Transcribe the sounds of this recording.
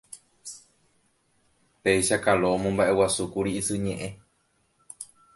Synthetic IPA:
pejʃakaloomõmbaʔe̞wasukuɾiisɨɲẽ̞ʔẽ̞

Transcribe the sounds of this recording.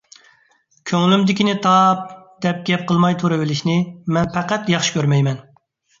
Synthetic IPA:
kʲʰøŋlymd̪ɪkʲinɪt̪ʰɑp̚d̪̥ɛp̚ɡʲɛp̚qʰəlˠmɑjt̪ʰuɾɪvɪlɪʃnɪmɛnpɛqæt̪jɑχʃi̥kʲʰøɾmɛjmɛn

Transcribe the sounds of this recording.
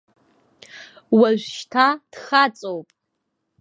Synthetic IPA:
waʒᶣʷʃtʰad̥χat͡sʼowpʼ

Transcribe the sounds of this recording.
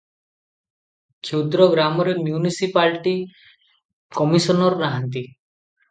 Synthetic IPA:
kʰewd̪ɾɔɡɾamɔɾemjunisipalʈi | kɔmisɔnɔɾɔːaɦant̪i

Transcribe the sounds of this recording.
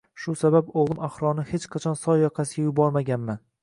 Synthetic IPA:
ʃʊsababoʁlˠɪmaχɾɒnɪhet͡ʃqʰɑt͡ʃʰɒnsɒjːɒqʰɑsɪɡajʊbɒɾmaɡʲanman

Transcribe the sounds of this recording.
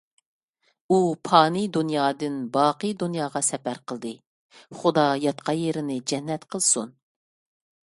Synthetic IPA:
upʰɑːnid̪unjɑːd̪ɨnbɑːqəd̪unjɑːʁɑsɛpæɾqʰəlˠd̪ɨ | χud̪ɑjɑt̪qʰɑjeɾɪnɪd͡ʒɛnːɛt̪qʰəlˠsun

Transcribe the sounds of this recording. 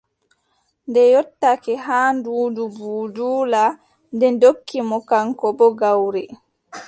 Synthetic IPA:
ndɛjɔtːakɛɦaːnduːdubuːduːla | ndɛndokːimɔkaŋkɔbɔɡawɾi

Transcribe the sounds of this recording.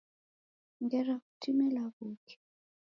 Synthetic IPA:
ŋɡɛɾakutimɛlaɣukʰɛ̥

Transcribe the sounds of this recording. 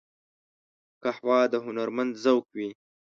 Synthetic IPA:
kahwɑd̪əɦʊnaɾmand̪zawkwi

